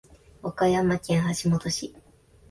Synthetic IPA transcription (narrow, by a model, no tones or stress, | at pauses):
okajamakʲẽɰ̃haɕimo̞t̪o̞ɕi